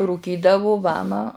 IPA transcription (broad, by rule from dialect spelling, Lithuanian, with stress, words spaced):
ruːˈkʲiːdɐʋʊ ˈʋɑːmɐ